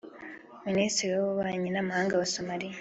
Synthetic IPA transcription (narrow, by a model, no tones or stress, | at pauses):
ministɾiɾiwaβuβaːɲinamahaːŋɡawasomaɾija